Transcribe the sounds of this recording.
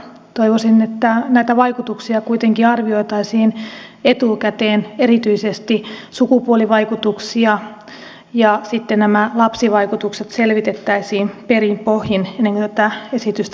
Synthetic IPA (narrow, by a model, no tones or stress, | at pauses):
t̪oiʋosinet̪ːænæit̪æʋɑikut̪uksiɑkuit̪eŋkiɑrʋio̞it̪ɑisiːnet̪ukæt̪eːnerit̪yisest̪isukupuoliʋɑikut̪uksiɑ | jɑsit̪ːennæmælɑpsiʋɑikut̪ukset̪selʋit̪et̪ːæisiːmperimpohjinenːeŋkot̪æt̪æesit̪yst̪